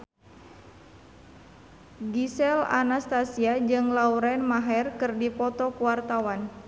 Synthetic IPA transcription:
ɡisɛla̰nast̪asiad͡ʒɨŋlauɾɛnmaɦɛrkɨrdipɔt̪ɔkuwart̪awan

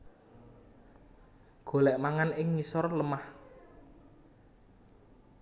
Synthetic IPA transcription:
ɡ̥o̤lɛʔmaŋanɪŋːisɔrləmah

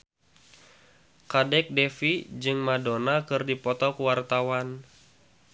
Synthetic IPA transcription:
kadɛk̚dɛfid͡ʒɨŋmadonakɨrdipɔt̪ɔkuwart̪awan

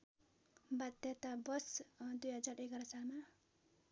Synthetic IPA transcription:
bad̪jet̪abʌsd̪ujɦʌd͡zaɾekʌɾʌsalma

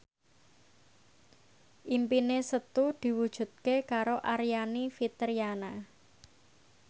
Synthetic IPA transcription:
ʔimpinesət̪ud̪̥i̤wud̥ʒ̥ṳt̪̚kekaɾoʔaɾijanifit̪əɾijana

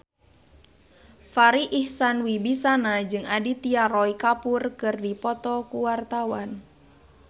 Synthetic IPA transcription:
faɾiʔihsanwibisanad͡ʒɨŋadit̪iaɾɔikapurkɨrdipɔt̪ɔkuwart̪awan

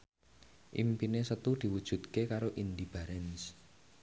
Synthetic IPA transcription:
ʔḭmpinesət̪ud̪̥i̤wud̥ʒ̥ṳt̪kekaɾoʔind̪ib̥a̤ɾɛns

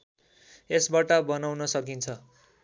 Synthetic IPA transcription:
esbaʈʌbʌnawnʌsʌkint͡sʰʌ

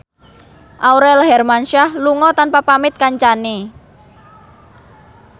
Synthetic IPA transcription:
ʔawɾɛlɦɛrmanʃahluŋɔt̪anpapamɪt̪̚kaɲt͡ʃane

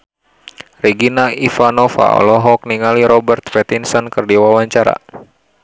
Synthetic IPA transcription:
riɡinaʔifanɔfa̰ɔ̰lɔɦɔk̚niŋaliɾɔbɛrt̪fɛt̪insɔnkɨrdiwawaɲt͡ʃaɾa̰

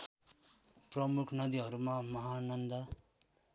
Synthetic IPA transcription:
prʌmukʰnʌd̪iɦʌɾumamʌɦanʌnd̪a

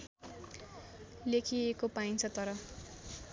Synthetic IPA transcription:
lekʰiekopaint͡sʰʌt̪ʌɾʌ

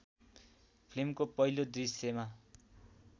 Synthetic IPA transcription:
pʰlimkopʌilod̪risjema

